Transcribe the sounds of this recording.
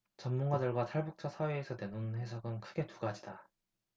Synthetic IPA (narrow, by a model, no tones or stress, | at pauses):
t͡ɕʌnmuŋɡadɯɭɡwataɭbuk̚t͡ɕ͈ʌsʰaweːsʰʌdwenonɸe̞sʰʌɡɯnkʰɯɡe̞tuɡad͡ʑida